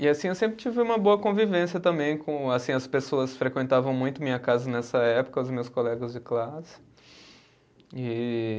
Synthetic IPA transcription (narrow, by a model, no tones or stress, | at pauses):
ɪasĩewsẽmpɾɪt͡ʃivɪũmɐboɐkõvivẽsjɐt̪ɐ̃mbẽj̃kõasĩɐspesoɐsfɾekwẽnt̪avɐ̃w̃mũj̃t̪ʊmĩɲɐkazɐnɛsɐɛpʊ̥kɐʊzmewskolɛɡɐzd͡ʒɪklasɪ̥ | ɪ